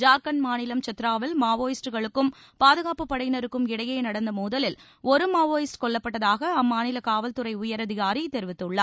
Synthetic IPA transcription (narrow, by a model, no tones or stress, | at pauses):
d͡ʒaːɾkɐnmaːnɪlɐmt͡ʃɐt̪ːɪɾaːʋɪlmaːʋoːjɪsʈɯɣɐɭɯkːɯm | paːðɯɣaːpɯpːɐɽɐɪnɐɾɯkːɯmɪɽɐjɐɪnɐɽɐnd̪ɐmuːðɐlɪl | ɔɾɯmaːʋoːjɪsʈkɔɭlːɐpːɐʈːɐðaːɣɐɐmːaːnɪlɐkaːʋɐlt̪ɯɾɐɪʊjɐɾɐðɪɣaːɾit̪ːɛɾɪʋɪt̪ːɯɭːɐ